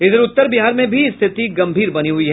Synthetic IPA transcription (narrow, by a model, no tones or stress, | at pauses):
ɪd̪əɾʊt̪ːəɾbiɦaːɾmẽbʱist̪ʰɪt̪iɡɐ̃mbʱiːɾbɐniɦʊiɦɛ